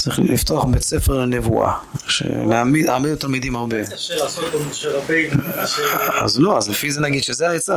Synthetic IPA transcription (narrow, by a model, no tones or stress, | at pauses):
t͡sʁiχlift̪oaχbet͡sɛfɛʁlnɛvṵʔa̰ʃḛnamid̪aːmidut̪almidimhaʁbe | asot̚omoʃeʁabejn | a̰zloazlefizenaɡid̪ʃɛzeaet͡sa